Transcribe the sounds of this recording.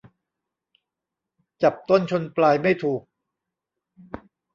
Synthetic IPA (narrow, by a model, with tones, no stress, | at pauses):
t͡ɕa˨˩p̚t̪o˥˩nt͡ɕʰo˧nplaː˧jma˥˩jt̪ʰuː˨˩k̚